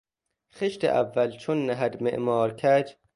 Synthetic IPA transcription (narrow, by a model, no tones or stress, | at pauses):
xeʃt̪ḛʔæ̰vːælt͡ʃʰonːæɦæd̪mḛʔmɒːɾkʰæd͡ʒ